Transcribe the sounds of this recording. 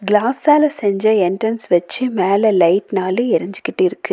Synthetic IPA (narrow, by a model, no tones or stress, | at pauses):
ɡlaːsaːlɐsɛɲd͡ʒɐɛnʈɾɐnsʋɐt͡ʃːɯmeːlɛlɐɪʈnaːleɪɾɐɲd͡ʒɪkːɪʈːɪɾɯkːɯ